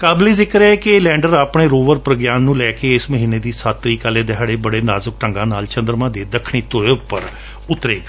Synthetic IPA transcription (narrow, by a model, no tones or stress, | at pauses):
kaːbliːzɪkɾɛːkɪlɛ̃ːɳɖəɾaːpɳeːɾoːʋəɾpɾəɡjaːnːũːlɛːkeːɪsməɦiːneːd̪iːsaːt̪ːɾiːkaleːd̪eɦaːɽeːbəɽeːnaːzək̚ʈəŋɡãːnaːlt͡ʃə̃nd̪əɾmãːd̪eːd̪əkʰɽ̃iːt̪oeːʊpːə̰ɾ | ʊt̪ɾeːɡ